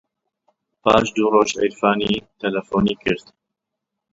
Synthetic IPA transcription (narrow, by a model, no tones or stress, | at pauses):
paːʃd̪uːɾoːʃɛ̰jɾfaːniːt̪ɛlɐfoːnikɪɾt̪